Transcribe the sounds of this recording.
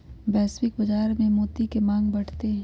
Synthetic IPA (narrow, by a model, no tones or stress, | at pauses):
bɛːswɪkbɐd͡ʒaːɾmẽmoːt̪ikemãːŋɡ̚bɐɽ̤t̪eɦɛ̃